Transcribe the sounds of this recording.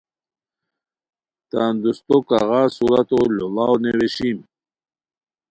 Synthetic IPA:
t̪and̪ust̪okaɣasuɾat̪ololawneɾeɕim

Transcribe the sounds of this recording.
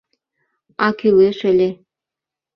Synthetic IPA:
ɑkyleʃə̆lʲe

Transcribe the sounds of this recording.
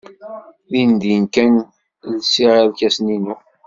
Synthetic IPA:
ðind̪inkæn | lsiɾalkæsninu

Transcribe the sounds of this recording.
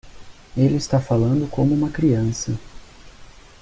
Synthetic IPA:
elɪɪst̪afalɐ̃nd̪ʊkõmʊũmɐkɾiɐ̃sɐ

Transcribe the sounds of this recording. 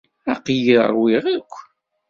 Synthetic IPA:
æqjḭɾˤwɪʁakʷː

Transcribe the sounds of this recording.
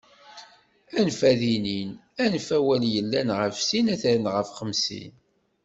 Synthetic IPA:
ænfæðininænfæwæljəlːænʁəfsinæθɾnʁəfχəmsḭn

